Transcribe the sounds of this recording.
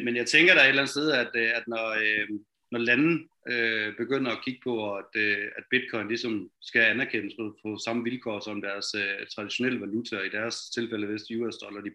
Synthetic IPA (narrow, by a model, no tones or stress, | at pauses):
menjɑ̈ɪt͡sʰeŋɡ̥ɐɾɑe̝d̥læn̩d̥steð̞̩ˠæd̥æd̥nɒ | nɒlæn̩ | øb̥e̝ɡ̥øn̰ɐɒkʰiɡ̥ə̥pʰɒ̽æd̥øæd̥̚b̥id̥̚kʰɒ̽ɪn̩lisɒ̽msɡ̥æænæɐkʰen̰əsfɒfɒsɑ̈məʋilkʰɒ̰ːsɒ̽md̥æɐsøt͡sʰʁɑ̈d̥iɕo̝nel̰əʋælut͡sʰɐid̥æɐst͡sʰe̝lfel̰əʋesd̥əjuesd̥ɒ̽lɐd̥i